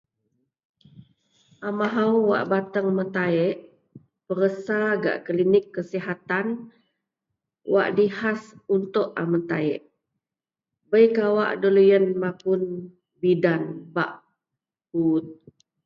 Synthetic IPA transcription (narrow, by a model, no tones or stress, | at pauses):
amaɦawwa̰ʔbat̪əŋmənt̪aɛʔ | pəɾəsaɡa̰ʔklinɪkːəsiɦat̪an | wa̰ʔdihasunt̪uʔa̰mənt̪aɛ̰ʔ | bəjkawa̰ʔdolujənmapun | bidanba̰ʔ | hut̪̚